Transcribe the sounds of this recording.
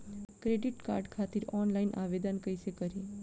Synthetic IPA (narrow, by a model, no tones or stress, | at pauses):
kɾeɖiʈka̰ɾɖkʰat̪iɾɔnlainʔa̰ʋed̪ənkəjsekəɾi